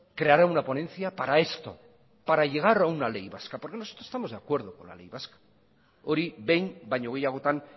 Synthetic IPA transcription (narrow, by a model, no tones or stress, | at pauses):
kɾe̞aɾaunapo̞nẽ̞nθiapaɾae̞st̪o̞̰ | paɾaʝe̞ɣ̞aɾawnale̞jβaskapo̞ɾke̞nosot̪ɾoest̪amoðe̞akwe̞ɾð̞o̞ko̞̰nla̰le̞jβaskḁ | oɾiβe̞jmbajɲo̞ɣe̞jaɣ̞o̞t̪an